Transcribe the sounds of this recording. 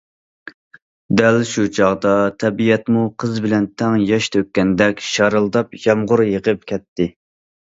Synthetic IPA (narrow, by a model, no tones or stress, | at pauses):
d̪ælʃut͡ʃʰɑʁd̪ɑt̪ʰɛbijɛt̪muqʰəzbɪlɛnt̪ʰɛŋjɑʃt̪ʰøkʲːɛnd̪ɛkʲʃɑɾɨlˠd̪ɑpʒɑmʁʊɾjəqəp̚kʲʰɛt̪ːɪ